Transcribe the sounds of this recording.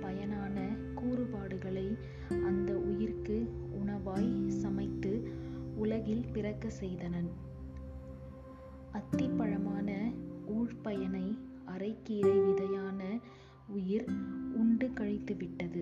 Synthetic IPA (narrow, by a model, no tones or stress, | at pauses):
pɐjɐnaːnɐ | kuːrɯpaːɽɯɣɐɭɐɪ | ɐnd̪ɐʊjɪɾkɯʊɳɐʋaːjsɐmɐɪt̪ːɯʊlɐɣɪlpɪrɐkːɐsɛjðɐnɐn | ʔɐt̪ːɪpːɐɻɐmaːnɐuːɻpɐjɐnɐɪ | ʔɐrɐɪkːiːɾɐʋɪðɐjaːnɐ | ʊjɪɾʊɳɖɯkɐɻɪt̪ːɯʋɪʈːɐðɯ